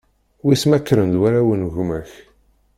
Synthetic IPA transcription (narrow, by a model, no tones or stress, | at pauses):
wismækːɾənd̪wæɾæwənʝmæç